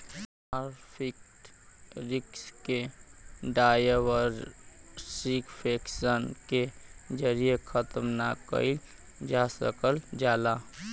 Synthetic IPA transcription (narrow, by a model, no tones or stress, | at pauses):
aɾpʰik̚ʈ | ɾɪkske | ɖajəwəɾ | sikpʰeksənked͡ʒəɾijekʰət̪mnakə̰i | d͡ʒasəkəld͡ʒaːda